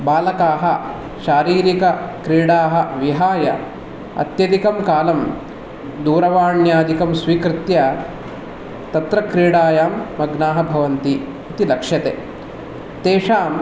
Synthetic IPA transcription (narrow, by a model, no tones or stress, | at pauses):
baːlɐkaːɦɐ | ʃaːɾiːɾikɐkɾiːɽaːɦɐ̆ʋiɦaːjɐ | ɐ̰t̪jɐd̪ikɐmkaːlɐm | d̪uːɾɐʋaːɳjaːd̪ikɐmsʋiːkɾɪt̪jɐ | t̪ɐt̪ɾɐkɾiːɽaːjaːmːɐɡnaːɦɐbʱɐʋɐnt̪i | it̪ilɐkʂɐt̪eː | t̪eːʂaːm